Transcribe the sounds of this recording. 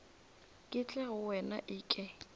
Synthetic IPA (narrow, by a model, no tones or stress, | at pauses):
kʼɪt͡ɬʼɛɣʊwɛna̰ʔɪːkʼɛ